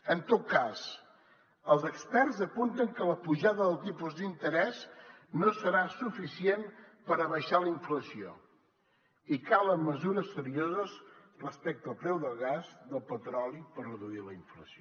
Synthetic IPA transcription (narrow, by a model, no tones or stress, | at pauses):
ənt̪ot̪̚kaz | əlˠzəkspɛrzəpunt̪əŋkələpuʒaðəðəlˠt̪ipuzd̪int̪əɾɛz | nosəɾasufisienpəɾəβəʃaləiɱfləsio̰ | ikaləmːəzuɾəsəɾiozəzrəspɛk̚t̪əːlˠpɾɛwðəlˠɣazðəlˠpət̪ɾɔlipərrəðuiləiɱfləsio